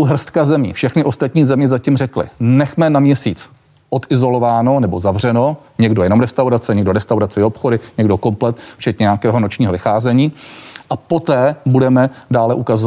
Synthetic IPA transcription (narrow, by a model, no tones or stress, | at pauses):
wɦr̩st̪kazɛmḭːfʃɛxnɪʔo̞st̪at̪ɲiːzɛmɲɛzacimrɛklɪ̰nɛxmɛnamɲɛsiːt͡s | ʔot̪ɪzo̞lo̞vaːno̞nɛbo̞zavr̝ɛno̞ɲɛɡdo̞jɛnomɾɛst̪awɾat͡sɛɲɛɡdoɾɛst̪awɾat͡sɪopxodɪɲɛɡdoko̞mplɛt̪ft͡ʃɛt̪ɲɛɲaːkɛːɦo̞not͡ʃɲiːɦovɪxaːzɛɲiːʔapo̞t̪ɛːbudɛmɛdaːlɛʔukazo